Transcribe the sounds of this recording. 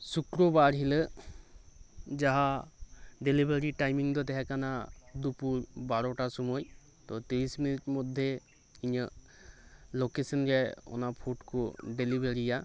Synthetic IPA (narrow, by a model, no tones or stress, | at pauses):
sukɾɔbaɾɦilə | d͡ʒaɦa | ɖelibeɾiʈajmiŋd̪ɔt̪ɛɦɛkanad̪upuɾbaɾɔʈasɔmɔj | t̪ɔt̪iɾisminit̚mɔd̪ʱːe | iɲə | lokesɔnɾɛɔ̰napʰuʈkɔɖelibeɾija